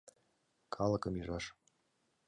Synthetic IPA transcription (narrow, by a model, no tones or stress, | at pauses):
kʰɑlˠɤ̆kɤmyʒɑʃ